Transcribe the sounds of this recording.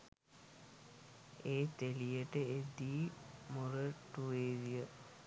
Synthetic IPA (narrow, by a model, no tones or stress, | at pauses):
eːt̪elijəʈəed̪iːmuɾəʈueːʋijə